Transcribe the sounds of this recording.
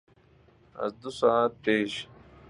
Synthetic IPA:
ɐ̰sd̪usaːt̪̚peːɕ

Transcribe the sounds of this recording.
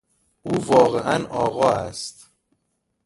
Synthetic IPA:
ʔuːvɒːɣeʔænʔɒːɣɒːæ̰st̪

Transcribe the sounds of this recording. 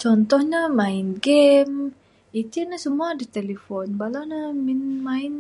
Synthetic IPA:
t͡ʃɔnt̪ɔhɲamaɪnɡɛm | it̪inasəmuadit̪elefɔnbalanaminmaɪn

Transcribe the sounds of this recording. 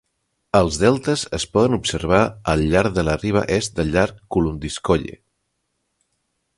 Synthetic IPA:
əlˠzðɛlˠt̪əzəspɔðənupsəɾβ̞aəlʎːaɾðələriβ̞ə̰ʔɛst̪̚d̪əʎːaɾkːulund̪iskoʎḛ

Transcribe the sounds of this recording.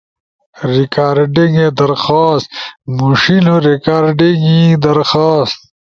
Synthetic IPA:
ɾikaːɾɖiŋɡed̪ɐɾxaːst̪muʂinoɾikaːɾɖiŋɡid̪ɐɾxaːst̪̚

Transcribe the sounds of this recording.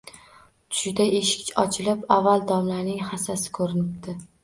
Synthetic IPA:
t̪ʰʊ̥ʃd̪aʔeʃɪ̥kʲɪt͡ʃɒt͡ʃʰɪlɪpavːalˠd̪ɒmlanɪŋhasasɪ̥kʰɵɾɪnɪp̚t̪ɪ

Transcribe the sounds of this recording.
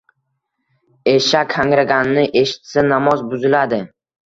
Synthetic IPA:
eʃakʲʰːaŋɾaɡʲanɪnɪʔe̞ʃɪ̥t̪sanamɒzbʊzɪlad̪ɪ

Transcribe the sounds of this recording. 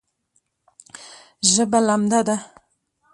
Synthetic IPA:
ʒəbalamd̪ad̪a

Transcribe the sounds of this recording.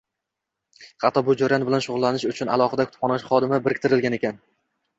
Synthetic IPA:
hɑt̪ʰːɒbʊd͡ʒoɾanbɪlanʃʊʁʊlˠːanɪʃʊt͡ʃʰʊna̰lˠɒχɨd̪akʰʊt̪ʰpχɒnaʃχɒd̪ɪmabɪɾɪk̚ʲt̪ʰɪɾɪlɡʲane̞kʲan

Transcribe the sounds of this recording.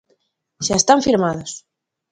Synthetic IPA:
ʃaest̪aɱfiɾmaðos

